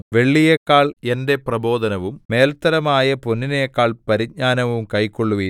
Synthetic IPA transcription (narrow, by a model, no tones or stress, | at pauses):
ʋe̞ɭːijekːaːɭe̞nde̞prɐbo̞ːd̪ɐnɐʋumːe̞ːlt̪ɐɾɐmaːjɐponːinɐjekːaːɭpɐɾiɲaːnɐʋumkɐjkːoɭːuʋɐ